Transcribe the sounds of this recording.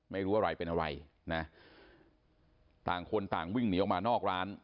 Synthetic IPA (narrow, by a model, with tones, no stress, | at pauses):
ma˥˩jɾuː˦˥wa˧˩ɾa˧jpe˧nʔa˧ɾa˧j | na˦˥ | t̪aː˨˩ŋkʰo˧nt̪aː˨˩ŋwi˥˩ŋniː˨˦˥ɔ˨˩k̚maː˧nɔː˥˩k̚ɾaː˦˥n